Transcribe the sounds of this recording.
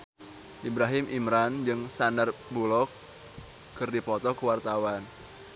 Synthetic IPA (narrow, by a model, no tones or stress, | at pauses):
ʔibɾaɦɪmʔimɾand͡ʒɨŋsandarbulɔkː | ɨrdipɔt̪ɔkuwart̪awan